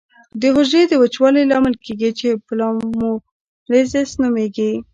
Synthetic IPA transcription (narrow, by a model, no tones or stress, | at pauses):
d̪əɦʊʒed̪əwət͡ʃwɑlilɑmɪlkeɡit͡ʃeplɑmu | lezesnumeɡi